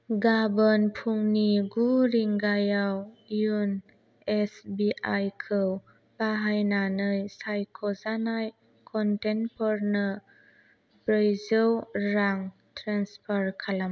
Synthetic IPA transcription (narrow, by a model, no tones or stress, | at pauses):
ɡabɔnpʰuŋniɡuɾiŋɡajawjun | esbiʔajkʰɯw | baɦajnanɯjsajkʰɔzanaj | kʰɔntenpʰɔɾnə | bɾəjzɯwɾaŋ | tɾanspʰaɾkʰalam